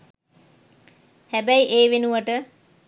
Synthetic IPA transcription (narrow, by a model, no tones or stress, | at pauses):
hæbæiʔeːʋenuʋəʈə